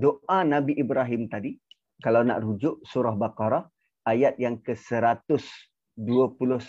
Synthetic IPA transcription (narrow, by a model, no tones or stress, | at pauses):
doʔanabiʔibɾaɦɪmt̪adi | kalawna̰ʔɾud͡ʒʊʔsuɾaɦbakaɾah | ajat̪̚jaŋkəsəɾat̪ʊs | duəpulʊ